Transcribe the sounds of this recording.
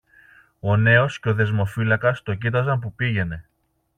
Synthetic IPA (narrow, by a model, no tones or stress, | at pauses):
o̞ne̞o̞sceo̞ðe̞zmo̞filɐkɐst̪o̞cit̪̬ɐzɐmp̬upiʝe̞ne̞